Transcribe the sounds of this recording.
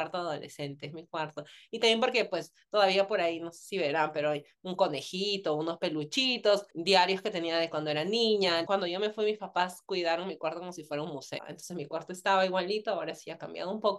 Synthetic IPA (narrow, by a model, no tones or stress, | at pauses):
aɾt̪oaðo̞̰lʔḛse̞nt̪emikwaɾt̪oit̪amjemp̬oɾke̞pwe̞s | t̪o̞ðaβiapo̞ɾaino̞se̥siβe̞ɾampe̞ɾoaj | uŋko̞ne̞xit̪o̞uno̞spe̞lut͡ʃit̪osd̪jaɾjo̞ske̞t̪e̞niaðekwand̪oeɾanĩɲakwand̪oʝome̞fwimispapaskwiðaɾoŋmikwaɾt̪okomos̬ifwe̞ɾaunmusḛnt̪onsesmikwaɾt̪oest̪aβaiɣwalit̪oaoɾasiakambja̰ðoumpok